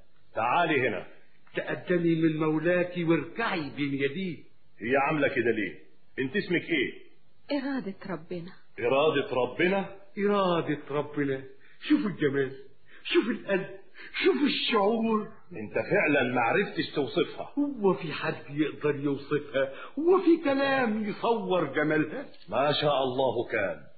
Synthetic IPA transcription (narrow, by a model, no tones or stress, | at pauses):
t̪aʕaːlihɪnæ̰ | t̪aʔad̪ːanimɪnmawlaːkiwɪɾkaʕibeːnjad̪iː | hɪjːæʕamlækɪd̪æleː | ʔɪnt̪ʔɪsmɪkʔeː | ʔɪɾˤɑːd̪ɪɾˤɑbːɪna | ʔɪɾˤɑːd̪ɑt̪ɾˤɑbːɪna | ʔɪɾˤɑːd̪ɪt̪ɾˤɑbːɪna | ʃuːfɪlɡamaːl | ʃuːfɪlʔad̪ | ʃuːfɪʃːʊʕuːɾ | ʔɪnt̪afɪʕlænmaʕɾɪft̪ɪʃt̪uwsˤɨfhɑ̰hʊwːafiħad̪jɪʔd̪ɑɾˤjʊwsˤɨfha | hʊwːæfikalaːmjɨsˤɑwːɪɾˤɡamalha | maʃaːʔɑlˤːɑːhkaːn